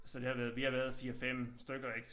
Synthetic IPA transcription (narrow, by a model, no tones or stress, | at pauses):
sɒ̽d̥e̝hɑ̈ʋæːɐðˠʋihɑ̈ʋæɐð̞ˠfiːɐfem̰sd̥øɡ̥ɐeɡ̥